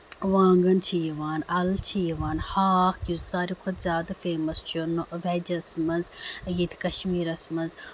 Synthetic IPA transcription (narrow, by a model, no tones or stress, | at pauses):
ʋaːŋɡɐnt͡ʃʰijiʋaːnɐlt͡ʃʰijiʋaːnhaːxjuzzaːɾikʰod̪zʲjaːd̪ɐfeːmɐst͡ʃʰunoʋɛd͡ʒɐsmɐnzjit̪ʰkɐʃmiːɾɐsmɐnz